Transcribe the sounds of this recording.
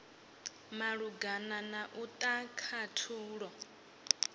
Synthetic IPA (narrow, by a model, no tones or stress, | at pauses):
maɺuɡananaʔut̪ʼakʰatʰuːɺɔ